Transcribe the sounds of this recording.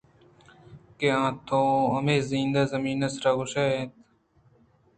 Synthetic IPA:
keãːt̪ʰõɐmeːzĩːnd̪aːzɐmiːnɐsɾaːɡʊʃaːẽt̪

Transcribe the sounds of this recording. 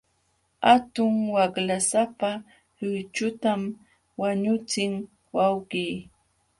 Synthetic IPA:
at̪ʊŋwaklasapa | ʎʊjt͡ʃʊt̪am | waɲʊt͡sɪŋ | wawɢiː

